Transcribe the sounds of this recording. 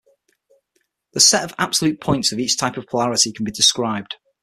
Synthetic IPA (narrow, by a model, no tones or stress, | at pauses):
ðəsɛtəva̰b̥səlʉˑʔ̚pʰɔ̃ɪ̃ntsəviˑt͡ʃtʰaɪpəv̥pʰəlaɹɪtɪkʰə̃nbɪdɪskɹaɪb̚d̥